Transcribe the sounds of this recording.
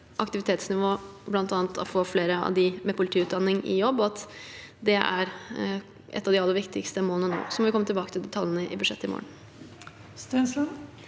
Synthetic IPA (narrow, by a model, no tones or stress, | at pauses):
ʔɑkt̪ɪʋɪt̪ʰeːt̪snɪʋoːblɑnt̪ɑːnt̪ʰɔ̰foːfleːɾəɑ̰ʋd̪ɪmɛpʰʊlɪt̪ʰiːʉt̪̚d̪ɑnːɪŋɪ̰jɔbːɔɑt̪d̪ɛʔæ̰ɾ | ʔɛ̰t̪ːɑʋd̪ɪɑlːəɾʋɪkt̪ɪkst̪əmoːlənəno̰ːsɔmɔʋɪkɔmːət̪ɪlbɑːkət̪ʰɪld̪ɛt̪ʰɑljənəʔɪ̰bʉd̪ʂɛt̪ːɪmo̰ːəɳ̩ | st̪ɛnslən